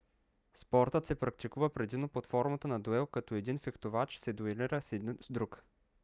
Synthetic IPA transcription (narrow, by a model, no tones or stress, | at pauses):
spɔɾt̪ət̪sɛpɾɐk̚t̪ikuvəpɾɛd̪imnopot̪fɔɾmɐt̪ənɐd̪oɛlˠkɐt̪ɔɛd̪infixt̪ovat͡ʃsɛd̪oiliɾəsɛd̪zd̪ɾuk